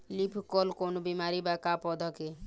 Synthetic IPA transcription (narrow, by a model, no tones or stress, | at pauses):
lipʰkɔlkonobimaɾibakapɔd̪ʱɔke